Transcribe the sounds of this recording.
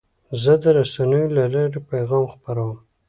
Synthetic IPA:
zəd̪əɾasanəjolalɑɾepajɣɑmxpaɾawəm

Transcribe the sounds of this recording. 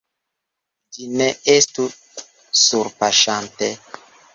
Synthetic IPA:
d͡ʒineestu | suɾpaʃante

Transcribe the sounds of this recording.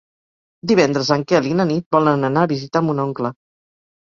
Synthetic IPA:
d̪iβɛnd̪ɾəzəŋkɛəlinənit̪̚bɔlənənaːβizit̪aəmbunoŋklə

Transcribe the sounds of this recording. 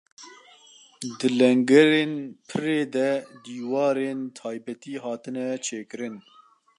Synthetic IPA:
d̪ɨlɛŋɡɛɾeːnpʰɨɾeːd̪ɛd̪iːwɑːɾeːnt̪ʰɑːjbɛt̪iːɦɑːt̪ɨnɛt͡ʃʰeːkɨɾɨn

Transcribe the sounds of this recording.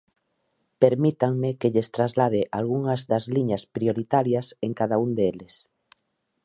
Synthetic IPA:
peɾmit̪aŋmɪkeʎest̪ɾazlað̞eʔalɣuŋɐzðɐzliɲɐspɾioɾit̪aɾjɐseŋkaðaund̪eelɪs

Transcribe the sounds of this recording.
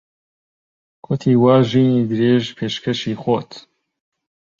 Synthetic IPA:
kʰot̪ʰiːwaːʒiːniːd̪ɨɾeːʒpʰeːʃkʰɛʃiːxot̪

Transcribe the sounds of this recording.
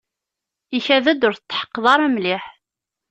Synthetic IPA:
içæðæd̪ʊɾθət͡s̪ːħə̥qːðˤɑɾˤæmliħ

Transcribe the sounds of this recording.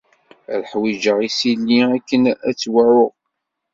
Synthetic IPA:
ælħwid͡ʒəʁisilːiækːənæt͡sːwəʕʊʁ

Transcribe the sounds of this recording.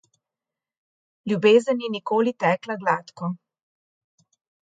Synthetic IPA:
ljubeːzənːinikoːlit̪ɛːklaɡlaːt̪kɔ

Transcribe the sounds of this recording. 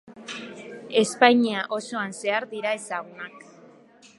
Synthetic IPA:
e̞spaɲiaʔo̞so̞anse̞aɾd̪iɾae̞saɣunak̚

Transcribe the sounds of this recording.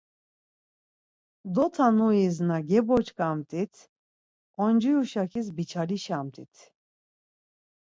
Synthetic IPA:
d̪ɔt̪ʰanuiznaɡɛbɔt͡ʃkʼamt̪ʼit̪ʰ | ɔnd͡ʒujuʃakʰis̬bit͡ʃʰaɾiʃamt̪ʼḭt̪ʰ

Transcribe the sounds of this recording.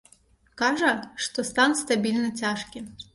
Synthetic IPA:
kɑʒɐʂt̪ɔst̪ɑnst̪ɐbʲilʲnɐtʲaʃkʲɪm

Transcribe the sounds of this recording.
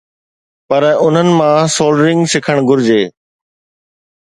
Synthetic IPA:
pɐɾʊn̤ənɪ̆mãsoːlɖɾɪ̃ŋɡsɪkʰəɽ̃ɡʱʊɾd͡ʑeː

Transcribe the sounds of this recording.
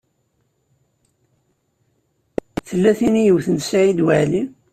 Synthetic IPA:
θəlːæθinijəwθənt̪saʕid̪wæʕli

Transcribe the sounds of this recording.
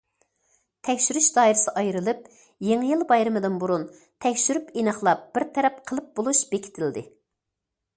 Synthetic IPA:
t̪ʰɛkʲʃyɾyʃd̪ɑːiɾɪsɨʔɑjɾɨlˠɨp̚ | jeŋɨjilˠbɑjɾɨmɨd̪ɨnbuɾun | t̪ʰɛkʲʃyɾypinɨχlˠɑp̚b̥ɪɾt̪ʰɛɾɛp̚qʰəlˠɨp̚bolˠuʃb̥ekʲʰi̥t̪ʰɪld̪ɪ

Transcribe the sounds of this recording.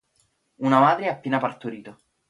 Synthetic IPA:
unamaːd̪ɾeapːeːnapart̪oɾiːt̪o

